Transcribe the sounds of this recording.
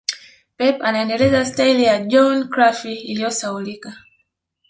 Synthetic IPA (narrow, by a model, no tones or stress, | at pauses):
pɛpanaɛndɛlɛzastailijad͡ʒɔnkɾafiːlijɔsaulika